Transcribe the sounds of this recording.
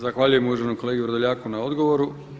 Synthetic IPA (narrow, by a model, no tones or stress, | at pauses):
zaxʋaʎujemujuʒenuko̞leɡiuʋɾod̪oʎaːkunao̞d̪ɡo̞ʋoɾu